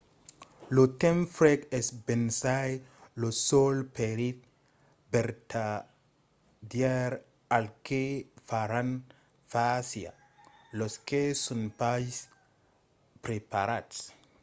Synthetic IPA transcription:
lot̪emfɾekesbensajlosolpeɾit̪̚ | beɾt̪ʰa | djɛɾ | alkefaɾan | fasja̰ | loskesonpajs | pɾepaɾads

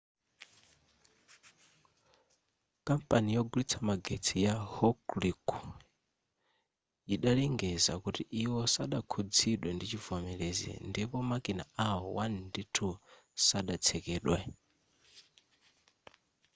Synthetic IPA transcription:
kampʼanijɔɡulit͡sʰamaɡet͡sʰijahɔkliku | jiɗalɛŋɡɛza̰kutiʔiwɔsaɗakʰud͡ziɗwɛndit͡ʃivɔmɛlɛzɛ̰ndipɔmakina̰awɔwanditʰu | saɗat͡sʰɛkɛːɗwɛ

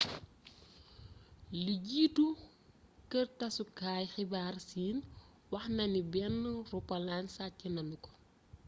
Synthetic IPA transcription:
liɟiːtu | kərtɐsukaːjxibaːrsiːn | wɐxnɐnibɛnːurupɐlansacinɐnukɔ̥

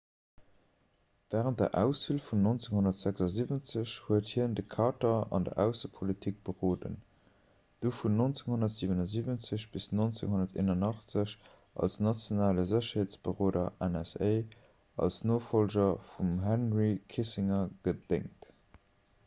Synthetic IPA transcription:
væːʁənt̚dɐ̰ʔæʊsfilfunnont͡seŋɦonɐtz̥ækzɑzivənt͡səɕhuəthiəndəkʰɑːtɐɑ̰ndɐ̰ʔæʊsəpʰolitʰik̚b̥əʁoːdə̰n | d̥oːfunːont͡seŋhonɐtz̥iːvənɑziːvənt͡səɕb̥isnont͡sḛŋɦonɐtʰḛːnɐnɑχt͡səɕ | ʔɑ̰lsnɑt͡sjonaːləzəɕɐheːt͡sb̥əʁoːdɐ̰ʔænɛseɪ | ɑ̰lsnoːfolʑɐfumɦænʁikʰisiŋɐɡ̥ədḛŋt

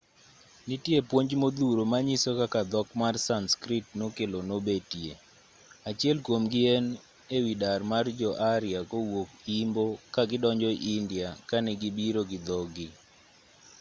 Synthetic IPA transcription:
nitjepwoɲd͡ʒmod̪uɾomaɲisokakad̪ɔkmarsanskɾɪtnokelonobetje | at͡ʃɪɛlkwomɡɪɛn | ewidarmard͡ʒɔʔaɾjakowok̚imbokaɡɪdɔɲd͡ʒɔiʔindjakanɛɡɪbiɾoɡɪd̪ɔɡɪ

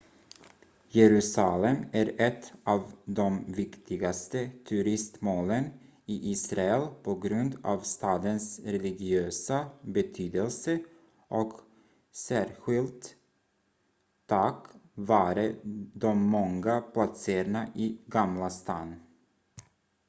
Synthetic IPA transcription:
jɛɾʉ̟ːsalɛmæɾɛt̪ʰːʔɑːvd̪ɔmvɪkt̪ʰɪɡast̪ət̪ʰɵɾɪst̪moːlən | ɪʔiːsɾaɛlpʰɔɡɾɵnd̪ɑ̰ːvst̪ɑːd̪ənsɾɛlɪɡɪøːsabɛt̪ʰyːd̪əlsə | ʔɔk | sæːɾɧɪlt̪ | akvɑːɾəd̪ɔmːɔŋɡapʰlat̪seːɾɳaʔiɡamlast̪ɑːnː

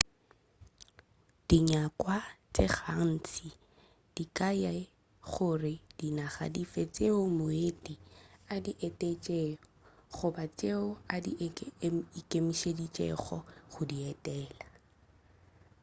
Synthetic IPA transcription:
d̥iɲakʼwat͡sʼɪχa̰n̩t͡sʰi | d̥ikʼaja | χʊrɪd̥inaχa̰difet͡sʼeʊmoʊetʼiadiʔɛtʼet͡ʃʼɛ | χʊbat͡sʼeʊadḭʔ | ikʼemiʃedit͡ʃʼɛ̰χɔ̰χʊdiɛtʼɛːla

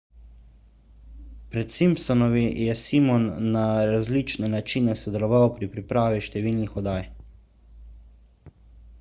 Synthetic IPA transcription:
pɾɛt̪simpsɔnɔʋijɛsimɔnːaɾazlit͡ʃnɛnat͡ʃinɛsɔd̪ɛlɔʋawpɾipɾipɾaːʋiʃt̪ɛʋiːlnixɔd̪aːj

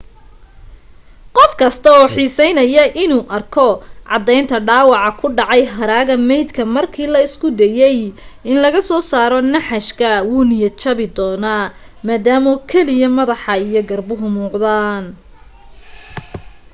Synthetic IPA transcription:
qɔfkʰɐst̪ʰɐɔːħiːsɛjnɐjɐʔɪnuːʔɐrkʰɔʕɑ̰d̪ɛjnt̪ʰɐɖɑːwɑʕɑkʰʊɖɑʕɑjɦɐɾaːɣɐmɛjd̪kʰɐmɐrkʰiːlɐɪskʰʊd̪ɛjɛjɪnlɐɣɐsɔːsaːɾɔnɐħɑʃkʰɐwuːnɪjɐt͡ʃʰɐβɪd̪ɔːnaː | maːd̪aːmɔkʰɛlɪjɐmɐðɑħɑijɔɡɐrbʊɦʊmuːqd̪aːn

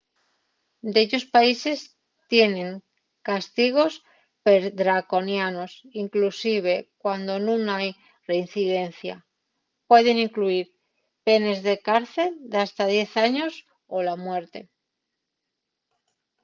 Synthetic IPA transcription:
d̪eʎo̞spaise̞s | t̪je̞nẽ̞ŋ | kast̪iɣ̞o̞s | peɾðɾako̞njano̞siŋklusiβ̞e̞kwand̪onũnaj | re̞in̟θiðe̞n̟θja | pwe̞ð̞eŋĩŋkluiɾ | pe̞ne̞zðe̞kaɾθe̞ld̪ast̪að̞je̞θaɲo̞s | olamwe̞ɾt̪e̞

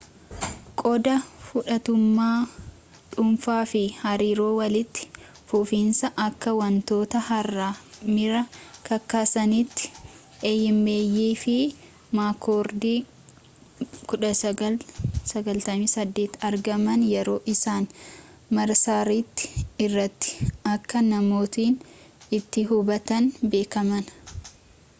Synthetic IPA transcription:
kʼɔd̪ɐfʊᶑɐt̪ʊmːaː | ᶑʊmfaːfɪhɐɾiːɾo̞ːwɐlɪt̪ːɪ̥ | fʊfiːnsɐʔɐkːɐwɐnt̪o̞ːt̪ɐhɐrːaːmɪɾɐkɐkːaːsɐnit̪ːɪ̥ | ʔeːjːɪmbe̞ːjːiːfɪ | maːkoːɾd̪iː | kʊᶑɐsɐsɐɡɐlt̪ɐmiːsɐd̪ːe̞ːt̪ɐɾɡɐmɐnjɛɾo̞ːʔɪsaːn | mɐɾsaːɾit̪ːɪ̥ɪrːɐt̪ːɪ̥ɐkːɐnɐmo̞ːt̪iːn | ɪt̪ːɪɦʊbɐt̪ɐnbe̞ːkɐmɐn

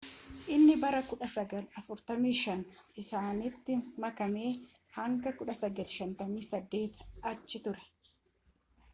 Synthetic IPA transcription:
ʔɪnːɪbɐɾɐkʊᶑɐsɐɡɐlɐfʊɾt̪ɐmiːʃɐnɪsaːnɪt̪ːɪmɐkɐme̞ː | hɐŋɡɐkʊᶑɐsɐɡɐt̪ɪ̥ʃɐnt̪ɐmiːsɐd̪ːe̞ːt̪ɐt͡ʃːɪt̪ʊɾɛ̥

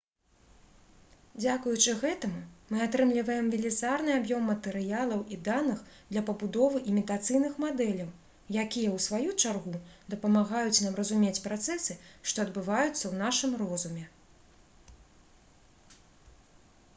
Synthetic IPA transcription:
d͡zʲakujut͡ʂɨɣɛt̪ɐmumɨat̪ɾɨmlʲivɐjɛmvʲilʲizarnɨabjɔmːɐt̪ɛɾɨjalˠɐwʔid̪anɨxd̪lʲɐpɐbud̪ɔvɨʔimʲit̪at̪sɨjnɨxmad̪ɛlʲɐw | jakʲijɐwsvajut͡ʂarɣud̪ɐpɐmaɣajut͡sʲnamrɐzumʲet͡sʲpɾat̪sɛsɨʂt̪ɔɐd̪bɨvajut̪sːɐwn̪aʂɨmrɔzumʲɛ

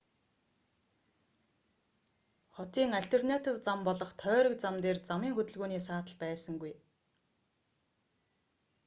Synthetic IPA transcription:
χɔt̪iːŋaɬt̪ernat̪ʲiːwt͡sampɔɮɞ̆χt̪ʰœːɾə̆k̚t͡samt̪eːrt͡samiːŋxɵt̪ɵ̆ɮɣuːniːsaːt̪ə̆ɮpæːsə̆ŋɡuj

